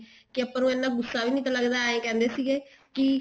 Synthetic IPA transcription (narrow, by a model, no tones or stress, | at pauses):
kɪəpːãːnũːeːnːãːɡʊsːaːʋiːnĩːt̪aːləɡd̪aːẽːkɛ̃ːnd̪eːsiːɡeː | kɪ